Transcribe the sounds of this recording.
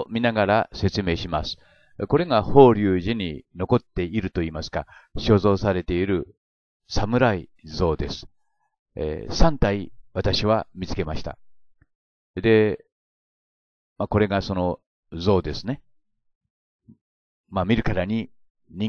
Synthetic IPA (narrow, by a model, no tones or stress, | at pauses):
mʲinaɡaɾase̞t͡sɨme̞ːɕimasɨ̥ | ko̞ɾe̞ɡaho̞ːɾʲɯːʑiɲ̟ino̞ko̞t̪ːe̞iɾɯ̟t̪o̞iːmasɨ̥ka | ɕo̞ːzo̞ːsaɾe̞t̪e̞iɾɯ̟ | samɯ̟ɾaizo̞ːd̪e̞sɨ̥̰ | sãnt̪aiβat̪aɕiβamʲit͡sɨ̥ke̞maɕi̥t̪a̰ | d̪e̞ | mako̞ɾe̞ɡaso̞no̞ | zo̞ːd̪e̞sɨne̞ | mamʲiɾɯ̟kaɾaɲ̟i | ɲĩ